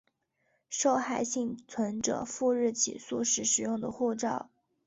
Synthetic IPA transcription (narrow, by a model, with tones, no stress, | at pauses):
ʂo˥˧ʊxa˥˩ɪɕi˥˩ŋt͡sʰwə˧˥nʈ͡ʂɤ̰˨˩˦fu˥˧ɻɻ̩˥˩t͡ɕʰḭ˨˩su˥˩ʂɻ̩˧˥ʂɻ̩˨˩jʊ˥˩ŋd̪ə˩xwu˥˧ʈ͡ʂɑ˥˩ʊ